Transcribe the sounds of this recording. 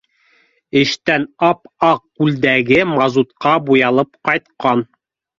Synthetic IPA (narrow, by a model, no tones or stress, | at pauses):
ɘ̆ʃt̪ænɑpɑq̚ːʉld̪æɡɘmɑzut̪qɑbujɑlˠɤpqɑjt̪̚qɑn